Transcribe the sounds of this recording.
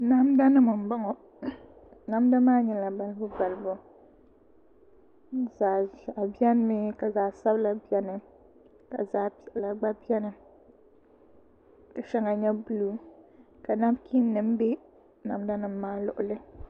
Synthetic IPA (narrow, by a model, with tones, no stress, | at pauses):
na˦mda˦nɨ˦mɨ˨m̩˨ba˦ŋɔ˨ | na˦mda˦maː˦ɲɛ˨la˨ba˦lɨ˦bʊ˦ba˨lɨ˦bʊ˨ | zaː˨ʒa˨bi˦ɛ˦n˦mi˦ka˨zaː˨sa˦bla˨bi˦ɛ˦nɨ˨ | ka̰˨zaː˨˦pi˨ʔla˨ɡ͡ba˦bi˦ɛ˦nɨ˨ | ka˨ʃɛ˦ŋa˨ɲɛ˦bu˦lu˨ka˨na˦bkʰi˦nː˦ɨ˨m˦be˦ | na˨˦mda˦nɨ˨mː˦aː˦lʊ˨ʔʊ˨lɨ˦